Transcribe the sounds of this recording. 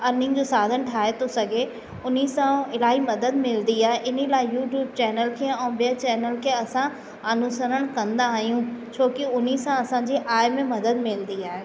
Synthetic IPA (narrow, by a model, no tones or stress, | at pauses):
ɐnɪ̃ŋɡd͡ʑoːsaːd̪ʱənʈʰaːɦet̪ʰosɐɡʱe | ʊn̤isãɪlaːɦimɐd̪əd̪mɪlnd̪iaːɦeʔɪnilaːɪjuːʈjuːb̚t͡ɕɛːnəlkʰeːɛ̃ːbijət͡ɕɛːnəlkʰeɐsã | ɐnusəɾəɽ̃kɐ̃nd̪aːɦijũt͡ɕʰoːkɪʊnisãɐsãːd͡ʑiʔaːɪmẽmɐd̪əd̪mɪlnd̪iaːɦeː